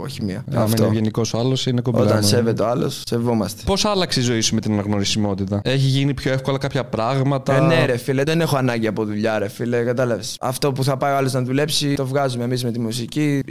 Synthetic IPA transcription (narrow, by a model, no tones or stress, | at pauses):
oçimiɐ̰ɐft̪ʝeniko̞soɐlo̞sinekobo̞̰t̪ɐɐnse̞vet̪eoɐlo̞̰sːe̞vo̞mɐst̪e̥po̞sɐlɐkseizo̞isumet̪inɐnɐɣno̞ɾisimo̞t̪it̪ɐe̞çiʝinipço̞efko̞lɐkɐpçɐpɾɐɣmɐt̪ɐneɾe̞fileðe̞ne̞xoɐnɐɲɟiɐpo̞ðuʎɐɾe̞filekɐt̪ɐlɐvesɐ̰ft̪o̞puθɐpɐioɐlo̞znɐðule̞psit̪o̞vɣɐzumemizme̞t̪imusici